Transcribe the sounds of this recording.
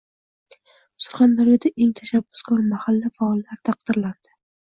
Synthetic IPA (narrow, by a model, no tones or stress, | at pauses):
sʊ̥ɾχand̪aɾijɔd̪aʔeŋt̪ʰaʃabːʊskɒɾmahalːafaɒlˠːaɾt̪ʰɑq̚d̪̥ɪɾland̪̥ɪ